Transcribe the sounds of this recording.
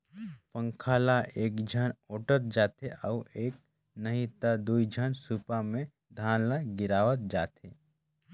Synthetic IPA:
pə̃ŋkʰaːlaʔeːkd͡ʒʱənoːʈət̪̚d͡ʒaːt̪eʔəueːk̚ | nəɦĩt̪ad̪uːid͡ʒʱənsupamẽ | d̪ʱaːnləɡɪɾaːʋət̪̚d͡ʒaːt̪eː

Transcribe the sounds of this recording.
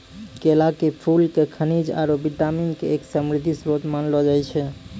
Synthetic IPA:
kelakepʰulkekʰənid͡ʒa̰ɾobiʈaminkḛːksəmɾid̪ʱːisɾot̪manlɔd͡ʒajt͡ʃʰɛ

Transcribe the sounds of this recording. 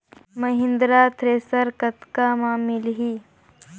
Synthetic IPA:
mɐɦɪ̃nd̪ɾaːt̪ɾeːsəɾkɐt̪kamaːmɪlɦiː

